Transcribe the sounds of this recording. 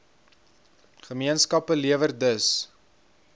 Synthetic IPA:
χəmiənskɐpəliəvərdəs

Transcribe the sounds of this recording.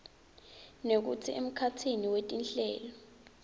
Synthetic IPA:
nek̬ṵt͡sʰiʔem̩kʰatʰiniwetʼinɬɛ̰ːlɔ

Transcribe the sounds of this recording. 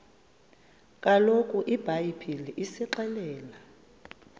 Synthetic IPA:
kʼalokʼuʔib̥ʱajipʰiliʔisɛǃɛlɛːla

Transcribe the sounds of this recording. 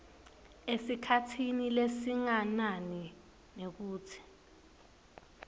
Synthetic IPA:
esikʰatʰinilesiŋanani | nek̬uːtʰi̥

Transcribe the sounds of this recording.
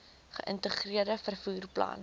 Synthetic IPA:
χəʔəntəχriərdəfərfuːrplɐ̰n

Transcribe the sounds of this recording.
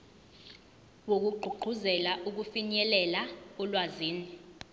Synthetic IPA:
wok̬uɡ͡ǃʱuɡ͡ǃʱuzɛlaʔuk̬ufiɲɛlɛlaulwaziːni

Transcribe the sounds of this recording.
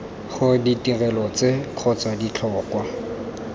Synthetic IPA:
χʊditirɛlɔt͡sekʰɔt͡sadit͡ɬʰɔːkwa

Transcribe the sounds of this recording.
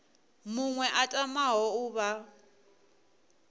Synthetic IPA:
muŋwɛʔatʼamaɦɔuβa

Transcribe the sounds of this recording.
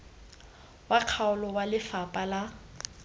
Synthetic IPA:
waq͡χʰaʊlɔwalɪfapʼala

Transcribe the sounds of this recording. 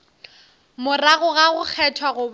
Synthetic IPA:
mʊraɣʊɣaɣʊk͡xʰɛtʰwaɣʊb

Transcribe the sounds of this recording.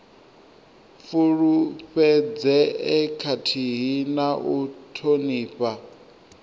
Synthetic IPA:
fuɺuɸɛd͡zɛɛkʰatʰiɦinaʔutʰoniːɸʼa

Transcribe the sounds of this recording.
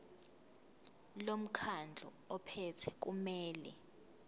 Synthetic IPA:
lom̩kʰand͡ɮʱɔ̰ | ɔpʰɛtʰɛk̬ʼumɛːlɛ

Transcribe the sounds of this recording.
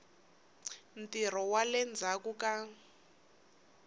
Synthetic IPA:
n̩tʼir̤ɔwalɛnd͡zʱakuka

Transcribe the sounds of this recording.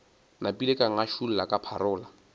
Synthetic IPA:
napʼilekʼaŋ̩aʃun̩lakʼapʰa̰ɾʊːla

